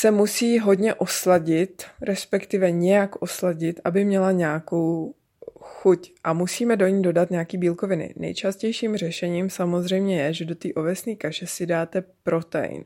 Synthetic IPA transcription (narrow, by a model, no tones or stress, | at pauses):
sɛmusiːɦo̞dɲɛʔo̞slaɟɪt̪ɾɛspɛkt̪ɪvɛɲɛjakʔoslaɟɪt̪ʔabɪmɲɛlaɲaːko̞w | xucʔamusiːmɛdo̞ɲiːdo̞dat̪ɲɛjakiːbiːlko̞vɪnɪ̰nɛ̰jt͡ʃascɛjʃiːmr̝ɛʃɛɲiːmsamo̞zr̝ɛjmɲɛjɛʒɛdo̞t̪iːʔo̞vɛsniːkaʃɛsɪdaːt̪ɛpɾo̞t̪ɛ̰jɪ̰n